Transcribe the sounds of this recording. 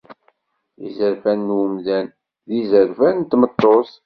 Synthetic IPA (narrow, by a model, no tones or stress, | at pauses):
ḭzəɾfænːwəmðæn | ðizəɾvænt̪ːmət̪ˤːos